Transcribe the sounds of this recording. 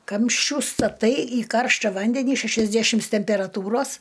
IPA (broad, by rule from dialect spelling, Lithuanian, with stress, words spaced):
ˈkɐmʲʃʲt͡ʃʲuː stɐˈtɐɪ iː ˈkɐrʃtɐ ˈʋɐnʲdʲɛnʲiː ʃʲæʃɐzʲˈdʲæʃʲɪms tʲɛmʲpʲɛrɐˈtuːroːs